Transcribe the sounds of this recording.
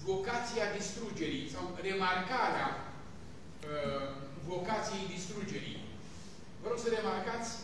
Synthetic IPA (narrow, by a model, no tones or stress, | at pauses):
vo̞kat̪sijad̪ist̪ɾud͡ʒe̞ɾisawre̞markaɾea | ə | vo̞kat̪sijejd̪ist̪ɾud͡ʒe̞ɾḭ | vəɾo̞ɡ̥səɾe̞markat̪sʲ